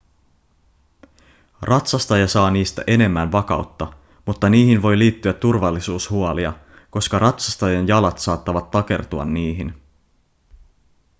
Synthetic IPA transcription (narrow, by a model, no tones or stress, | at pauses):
rʔɑt̪sɑst̪ɑjɑsɑːniːst̪æ̰ʔe̞ne̞mːænʋɑkɑ̰wt̪ːɑ | mut̪ːɑniːɦinʋo̞jliːt̪ːyæt̪ːurʋɑlːisuːshuɑliɑ | ko̞skɑɾʔɑt̪sɑst̪ɑjɑnjɑlɑt̪sɑːt̪ːɑʋɑt̪ːɑke̞̰rt̪uɑ̰nːiːɦin